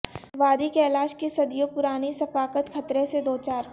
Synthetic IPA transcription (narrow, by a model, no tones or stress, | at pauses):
ʋaːd̪ikeːlaːʃkisɐd̪ijopʊɾaːnisɐfaːkət̪xʰɐt̪ɾesed̪oːt͡ʃaːɾ